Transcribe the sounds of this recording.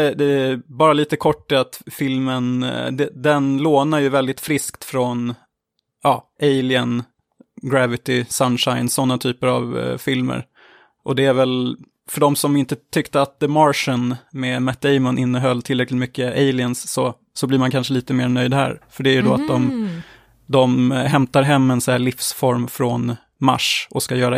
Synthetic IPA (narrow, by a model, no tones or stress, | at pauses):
ɛd̪ɛbɑːɾaliːt̪əkʰɔʈːɛat̪fɪlmənd̪ɛd̪ɛnloːnaɾjɵvɛld̪ɪt̪fɾɪskt̪fɾɔn | ʔɑːʔeɪlɪən | ɡɾævɪt̪ɪsanʂaɪnsɔnːat̪ʰyːpəɾa̰vfɪlmə̰ɾ | ʔɔd̪ɛæɾvɛl | fœɖɔmsɔmɪnt̪ət̪ʰʏkt̪əat̪̚d̪əmaɾʂənmɛmæt̪̚ːɛɪmənʔɪnːəɦœlːt̪ʰɪlːɾɛklɪt̪mʏkːəeɪlɪənsːɔ | sɔblɪɾmankʰanʂəliːt̪əmeːɾnœjd̪hæ̰ːɾfœɖɛæjɵd̪ɔat̪̚d̪ɔm | d̪ɔmɦɛmt̪aɾɦɛmːɛnsɛɭɪfsfɔɾmfɾɔn | ma̰ʂɔskajœːɾa